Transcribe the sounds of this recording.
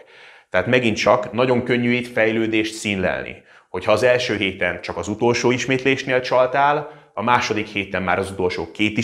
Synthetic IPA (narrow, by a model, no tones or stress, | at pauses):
t̪ɛɦaːt̪mɛɡint̪t͡ʃɒknɒɟo̞ŋkø̞ɲːyjit̪fɛjløːd̪eːʃt̪siːnlɛ̰lnḭ | ho̞chɒːzɛlʃøːɦeːt̪ɛnt͡ʃɒkɒzut̪o̞lʃoːiʃmeːt̪leːʃneːlt͡ʃɒlt̪aːl | ɒmaːʃo̞d̪ikheːt̪ɛmːaːɾɒzut̪o̞lʃo̰ːkeːt̪i